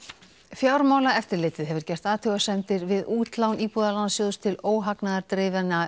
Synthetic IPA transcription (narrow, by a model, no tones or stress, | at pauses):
fjawɾmaːwlaɛft̪ɪɾlɪːt̪ːɪðɦɛvʏɾ̥cɛst̪aːðt̪ʰʏɣasɛnt̪ɪɾvɪðuːt̪lawniːpuðalansjoðst̪ʰɪloːwɦaknaðaɾt̪ɾɪːvana